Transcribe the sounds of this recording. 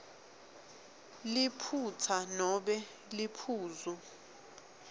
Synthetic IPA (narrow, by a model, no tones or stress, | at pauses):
lipʰutʰanɔɓɛ | lipʰuːzu